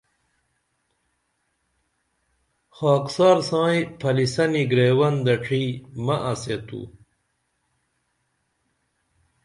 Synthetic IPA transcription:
xaːksaːɾsãːĩpʰɐlisɐniɡɾeːwɐnd̪ɐʈ͡ʂʰimɐʔɐset̪ṵ

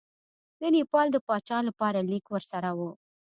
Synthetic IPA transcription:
d̪̥ənipɑld̪əpɑt͡ʃɑlapɑɾalikwəɾsaɾawu

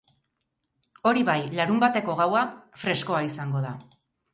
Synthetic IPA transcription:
o̞ɾiβajlaɾumbat̪e̞ko̞ɣawafɾe̞sko̞aisaŋɡo̞ða

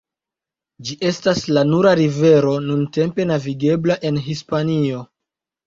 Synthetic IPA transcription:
d͡ʒiʔe̞staslanuɾaɾive̞ɾo̞nunte̞mpe̞naviɡe̞blaʔe̞nɦispanio̞

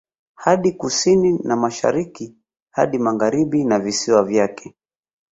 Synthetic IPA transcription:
haɗikusininamaʃa̰ɾiki | ha̰ɗimaɣaɾiɓinavisiwavjakʰɛ̥

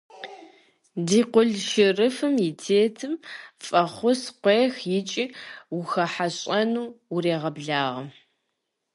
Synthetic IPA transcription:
diːqʷʊɮʃɪrɨfɨmjɪtʰeːtʰɨmfʼɐχʷʊsqʷeːxjɪt͡ʃʼiwʊxɐħaɕʼɐnuːreːʁɐbɮaːʁɐm

